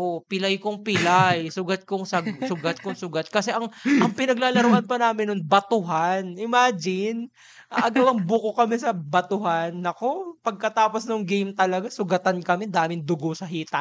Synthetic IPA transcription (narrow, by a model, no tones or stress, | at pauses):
ʔoʔpɪlajkoŋpɪlajsʊɡat̪̚koŋsɐɡsʊɡat̪̚koŋsʊɡat̪̚kɐsɛʔɐŋʔɐŋpɪnɐɡ̚laːlɐɾoʔɐnpɐnaːmɪnːoŋbɐt̪ʊɦanʔɪmaːd͡ʒɪn | ɐʔɐɡɐwɐŋbʊkokɐmɛsɐbɐt̪ʊɦanːɐko̞pɐɡ̚kɐt̪aːpo̞snoŋɡejmt̪ɐlɐɡasʊɡɐt̪ankɐmɛd̪aːmɪŋd̪ʊɡosɐɦiːt̪ɐ